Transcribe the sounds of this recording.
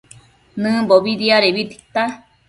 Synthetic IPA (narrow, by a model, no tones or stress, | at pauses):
nɨ̃boβiɾiaɾeβit̪i̥t̪a